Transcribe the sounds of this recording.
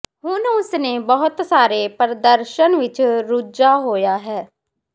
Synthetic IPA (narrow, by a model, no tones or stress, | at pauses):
ɦʊnʊsneːbəɦʊt̪saːɾeːpəɾd̪əɾʃənʋɪt͡ʃɾud͡ʒaːɦoːjaːɦɛː